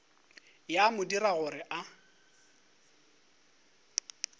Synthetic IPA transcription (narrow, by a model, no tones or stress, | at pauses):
jamʊdiɾaɣʊrɪʔa